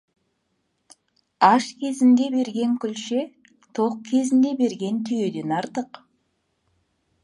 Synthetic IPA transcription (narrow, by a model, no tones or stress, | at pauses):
ɑʃkʲʰe̞zɪnd̪e̞be̞ɾɡʲe̞ŋkʲʏlʃe̞ | t̪ʰo̞qkʲʰe̞zɪnd̪e̞be̞ɾɡʲe̞nt̪ʰʏje̞d̪e̞nɑɾt̪əq